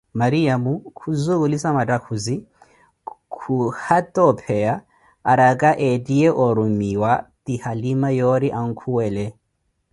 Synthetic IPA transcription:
maɾiamukʰuzuɣulisamatʼakʰuzi | kʰuhatʼɔpʰɛaː | ɾakʼaʔɛtʼiɛʔɔɾumiwatihalimajɔɾiʔaŋ̩kʰuwɛːlɛ

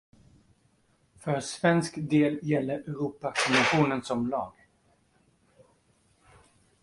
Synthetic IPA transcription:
fœɾsvɛnskd̪eːljɛlːəɾʔɛɾuːpakʰɔmənɧuːnənsɔmlɑːɡ

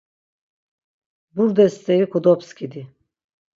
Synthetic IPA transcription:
buɾd̪ɛst̪ʰɛjikud̪ɔpskʲʰid̪i

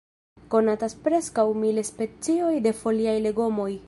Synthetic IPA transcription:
ko̞nataspɾe̞skawmilespe̞t͡sio̞jde̞fo̞liajle̞ɡo̞mo̞j

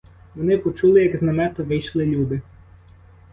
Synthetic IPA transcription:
ʋɔnɪpɔt͡ʃulˠɪjɐɡznɐmɛt̪ɔʋɪjʃlˠɪlʲud̪ɪ

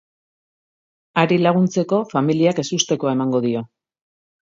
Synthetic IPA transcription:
aɾilaɣ̞unt͡se̞ko̞familiake̞sust̪e̞ko̞ae̞maŋɡo̞ðio̞

